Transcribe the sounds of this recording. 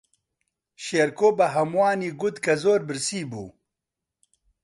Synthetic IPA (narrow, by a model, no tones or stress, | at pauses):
ʃeɾkoːbɐɦɐmwaːniːɡud̪kɐzoːɾbɨɾsiːbṵː